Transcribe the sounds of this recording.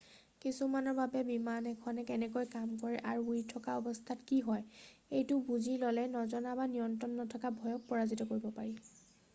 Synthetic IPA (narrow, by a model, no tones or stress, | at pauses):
kisumanɔɹbabɛbimanɛkʰɔnɛkɛnɛkojkamkɔɹɛʔaɹuujtʰɔkaɔbɔstʰatkiɦɔjejtʊbuzilɔlɛnɔzɔnabanijɔntɹɔnːɔtʰɔkabʱɔjɔk̚pɔɹazitɔkoɹibɔpaɹi